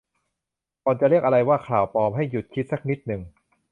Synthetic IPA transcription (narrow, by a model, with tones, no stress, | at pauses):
kɔː˨˧nt͡ɕa˨˩ɾi˥˩ək̚ʔa˧ɾa˧jwaː˥˩kʰlaː˨˩wpɔː˧mɦa˥˩jːu˨˩t̪̚kʰi˦˥t̪̚sa˧˥k̚ni˦˥t̪̚nɯ˨˩ŋ